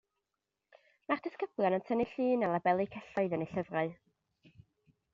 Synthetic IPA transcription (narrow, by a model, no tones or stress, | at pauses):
mard̥əskəbljanəntʰəniɬɨːnalˠabɛlˠikʰɛɬɔɨðəneɬəvraɨ